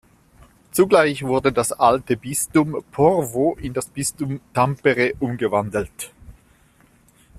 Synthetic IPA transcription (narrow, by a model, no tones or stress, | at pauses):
t͡suɡlaɪçv̥ʊɐdədasʔaltəbɪstʊmpʰɔʁvoʔɪndasb̥ɪstʊmtʰampəʁeʔʊmɡəvandl̩t